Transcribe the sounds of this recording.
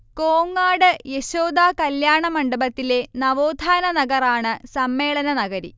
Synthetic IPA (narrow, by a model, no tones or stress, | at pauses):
koːŋːaːɽɨjeɕoːd̪aːkɐljaːɳɐmɐɳɖɐbɐt̪ːile̞nɐʋoːd̪ʱaːnɐnɐɡɐraːɳɨsɐmːe̞ːɭɐnɐnɐɣɐɾḭ